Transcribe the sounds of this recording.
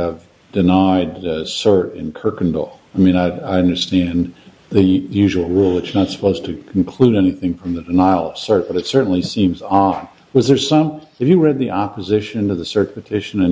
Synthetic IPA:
ɨv | dɨnaɪdsɜ˞ɾɪ̰̃nkʰɜ˞kn̩dl̩ˠaɪmĩnaɪaɪʌ̃ndə˞stæ̃n | ðɨjʉʒəwl̩ˠɹulˠwɨtsnətsə̥pʰoʊz̥tʰɨkʰn̩kʰl̥uɾɛniθɪ̃ŋfɹʌ̃mðɨdɨnaɪl̩ˠʌv̥sɜ˞t̚b̥ʌɾɨtsɜ˞ʔn̩lisĩmzɑ̃n | wʌzðə˞z̥sʌ̃mɨvjɨɹɛd̪̚ðiʔɑpɨzɪʃɨ̃ntɨðɨsɜ˞t̚pʰɨtʰɪʃɨ̃nɨ̃n

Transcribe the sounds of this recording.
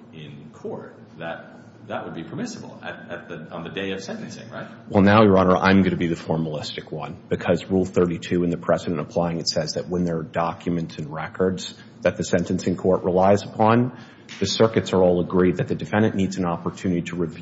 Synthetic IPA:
ɪ̃nkʰɔɹt̚ | ðɨt̪̚ | ðəʔ̚wəd̚bipʰə˞mɪsəbl̩ˠɨ̰ɾɨt̪̚ðɨ̃n̩ðɨdeɪʌv̥sɛ̃ntɨ̃n̩sɪ̰̃ŋɹaɪt̚wɛlˠnaʊjə˞ɑñə˞ʔã̰ɪ̃mɡʌñɨbiðɨfɔɹməlɪstɨkwʌ̃nb̥ɨkʰʌzɹulˠθɜ˞ɾitʰʉɨ̃nðɨpʰɹ̥ɛzɨɾɨ̃ntəpʰl̥aɪɪ̃ŋɨtsɛzðɨʔ̚wə̃nðə˞dɑkʰjɨmɨ̃ntsɨ̃n̩ɹɛkʰə˞dz̥ | ðɨt̪̚ðɨsɛ̃ntɨ̃n̩sɨ̃nkʰɔɹʔɹəlaɪzəpʰɑ̃n | ðɨsɜ˞kɨtsə˞ɔlˠəɡɹid̪̚ðɨt̪̚ðɨdɨfɛ̃ndɨ̃nːidzɨ̃nɑpə˞tʰʉnɨɾiɾəɹɨv

